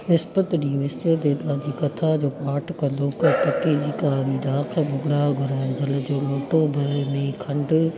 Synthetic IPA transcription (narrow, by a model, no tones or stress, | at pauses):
ʋɪspət̪ɗĩːʋɪsɾəd̪eːd̪aːd͡ʑiːkɐt̪ʰad͡ʑoːpaːʈʰkɐ̃nd̪opɐpɐkid͡ʑiːkaːnid̪aːkʰebʊɡɽaːɡʱʊɾaːɪnd͡ʑɐld͡ʑoːloːʈobʱɐɾnĩkʰɐ̃ɳɖ